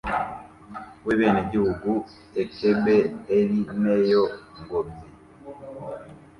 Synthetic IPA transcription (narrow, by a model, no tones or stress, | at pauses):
weβeneɟihuɡu | ekebeːɾinejoŋɡomi